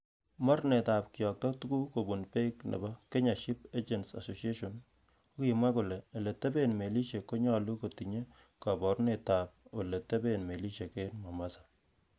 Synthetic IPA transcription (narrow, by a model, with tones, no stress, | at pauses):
mɔ˦ɾne˨ta˨p̚kɪ˨jɔ˨k̚tɔ˦tu˦ku˦ko˨bu˨npe˦knḛ˨ba˦ke˦ɲa˨ʃi˦p̚e˦d͡ʒe˨nsa̰˨so˨sie˦ʃo˨n | o˦ki˨ma˦ku˨leː˨le˨te˦be˦nme˨li˦ʃe˨ko˦ɲɔ˦lu˦ko˨ti˨ɲe˦ | ka˨bɔ˨˦ɾne˨ta˨p̚o˨le˨te˦be˦nme˨li˦ʃe˨ke˦nma˨ma˦sḁ˨